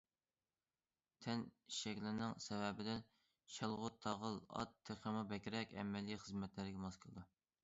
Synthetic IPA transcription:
t̪ʰɛniʃɛkʲlɪɾnɪŋsɛwɛbɪd̪ɛ | ʃælˠʁʊt̪ʰːɑʁəlˠɑ̰t̪ʰːɪχəmɨbɛkʲɾɛkʲɛ̰mːɛliχəzmɛt̪lɪɾɪɡʲɛmɑskʰlˠd̪u

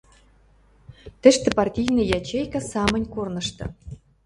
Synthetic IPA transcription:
t̪ɘ̆ʃt̪ɘ̆pɑrtʲijnɤ̆jɑt͡ɕejkɑsɑmə̆nʲkornɤ̆ʃt̪ɤ̰̆

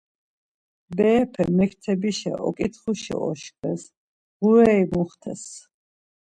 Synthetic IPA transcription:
bɛːpʰɛmɛkʰt̪ʰɛbiʃɛ̰ʔɔ̰kʼit̪ʰχuʃɛ̰ɔ̰ʃkʼwɛs | ʁuɾɛimuχt̪ʰɛs

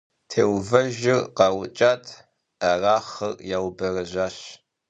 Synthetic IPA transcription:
tʰeːwvɐʒɪrqɐwʊt͡ʃʼaːtʰʼ | ɐraːχɐrjawbɐrɐʒaːɕ

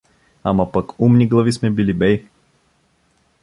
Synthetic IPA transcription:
amɐpɐkumniɡlˠɐvismɛbilibɛj

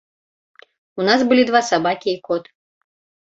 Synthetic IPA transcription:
unasbɨlʲid̪vasabakʲiːkɔt̪

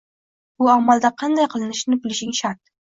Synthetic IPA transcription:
b̥ʊamalˠd̪aqʰɑnd̪ajqʰɨlˠɪnɪʃnɪbɪlɪʃɪŋʃaɾt̪̚

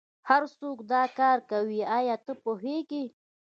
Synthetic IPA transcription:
haɾsokd̪ɑkɑɾkawiɑjɑt̪əpoɦeɡi

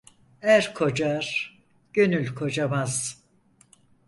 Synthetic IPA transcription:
æɾkʰo̞d͡ʒaɾ̥ | ɟ̥ø̞nylʲkʰo̞d͡ʒamaz̥

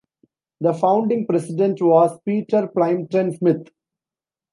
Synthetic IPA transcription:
d̪əfãʊ̃ɳɖɪ̃ŋpɾɛsɪɖẽɳʈʋɔːspiːʈəɾplãɪ̃mʈə̃nsmɪt̪ʰ

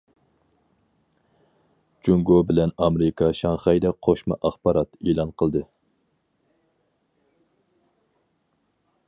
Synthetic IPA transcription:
d͡ʒuŋɡobɪlɛnɑmɾɪkʰɑʃɑŋχɑjd̪ɛqʰoʃmɑ̰ʔɑχbɑɾɑt̪eːlˠɑnqʰəlˠd̪ɨ

